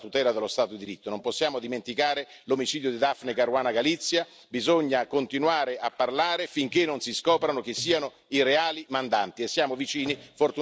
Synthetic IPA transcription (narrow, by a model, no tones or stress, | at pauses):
t̪ut̪ɛːlad̪ɪlːost̪aːt̪od̪id̪iɾit̪ːonomposːjaːmod̪iment̪ikaːɾe | lomit͡ʃiːd̪jod̪id̪afnekarɾwaːnaɡalit̪sːja | bizoɲːakont̪inwaːɾeapːarlaːɾefiŋk̟enːonsiskɔːpɾanok̟ɪsːiːano | ireaːlimand̪ant̪iesːjaːmovit͡ʃiːnifort̪u